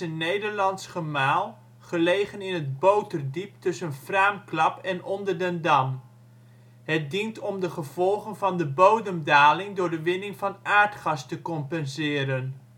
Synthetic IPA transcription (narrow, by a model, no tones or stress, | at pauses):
ənejdəɹlɑnsχəmaːlˠ | χəlejχənɪnɦədbowtərdiptɵsənfraːmklɑpɛnʔɔndərdəndɑm | ɦət̚dintɔmdəχəv̥ɔlˠχənvɑndəbowdəmdaːlɪŋdʊːɹdəʋɪnɪŋvɑnʔaːɹtχɑstəkɔmpɛnzɪːɾən